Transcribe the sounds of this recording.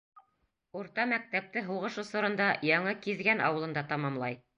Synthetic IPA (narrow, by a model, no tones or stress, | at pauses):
uɾt̪ɑmæk̚t̪æp̚t̪ɘɦuʁɤʃŏsŏɾɤ̆nd̪ɑjɑɴɤkizɡænɑ̰wɤ̆lˠɤ̆nd̪ɑt̪ɑmɑmlˠɑj